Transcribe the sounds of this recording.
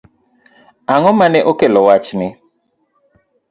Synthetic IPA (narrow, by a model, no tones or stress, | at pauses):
aŋɔmanɛʔokelɔwat͡ʃnɪ